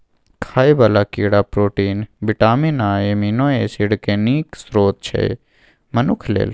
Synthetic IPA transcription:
kʰaːibalakiːɽapɾoːʈiːnbɪʈaːminaːeminoːeːsiɽkeniːksɾoːt̪̚t͡ʃʰḛ | mənʊkʰlḛːl

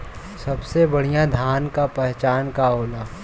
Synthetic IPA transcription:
sɐbsebɐɽ̤ijãd̪ʱaːnkapɛɦt͡ʃaːnkaɦoːlaː

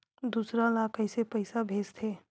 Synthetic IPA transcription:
d̪uːsɾalakəɪsepəɪsabʱeːst̪ʰeː

